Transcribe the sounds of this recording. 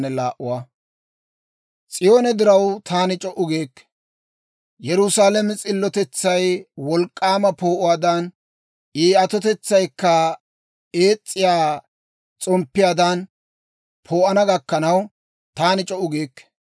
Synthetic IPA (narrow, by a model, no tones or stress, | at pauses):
nɛlaːʔʊwaː | t͡sʼɪjo̞ːnɛd̪ɪɾɐwt̪ʰaːnɪt͡ʃʼɔʔʊɡeːkː | jɛɾʊsaːlɛmɛt͡sʼɪlːɔt̪ɛt͡sːɐjwɔlkʼːaːmɐpo̞ːʔʊwaːd̪ɐn | iːɐt̪ɔt̪ɛt͡sːɐjkːɐ | eːt͡sʼːɪjaː | t͡sʼɔmpːɪjaːd̪ɐn | pʰo̞ːʔɐnɐɡɐkːɐnɐw | t̪aːnɪt͡ʃʼɔʔʊɡeːkː